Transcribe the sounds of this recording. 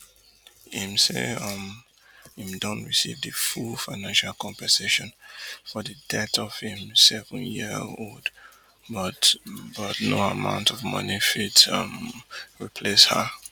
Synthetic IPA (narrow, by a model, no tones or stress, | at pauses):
hĩmsḛʌm | hĩmdɔ̃ntɹisḭvðɨfulfaɪnãnʃalˠkʰɔ̃mpɛseʃɔ̃nfɔðɨdɛtʰɔv̥hĩmsɛlfnjiold | bʌtbʌtnoəmã̰ʊ̃ntʰɔvmʌ̰nifitʌmɹipʰleshə̰